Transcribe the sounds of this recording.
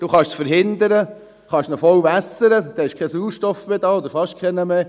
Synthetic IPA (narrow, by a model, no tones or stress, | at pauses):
d̥uːχɑʃsfəɾɦɪnd̪əɾə | χɑʃnɔfɔwʋæsəɾəd̪ɛɛʃkʰɛsuːʃtɔfmeːd̪ɑːod̪əɾfɑʃkʰɛnəme